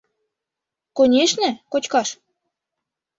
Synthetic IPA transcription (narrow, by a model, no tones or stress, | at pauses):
konʲeʃnĕkot͡ɕkɑʃ